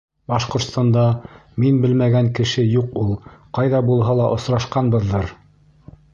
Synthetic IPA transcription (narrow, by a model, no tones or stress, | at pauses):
bɑʃqŏɾt̪st̪ɑnd̪ɑminbɘlmæɡæŋkɘ̆ʃɘjuqulˠqɑjðɑbulˠɦɑlˠɑʔŏsɾɑʃqɑnbɤ̆ðːɤɾ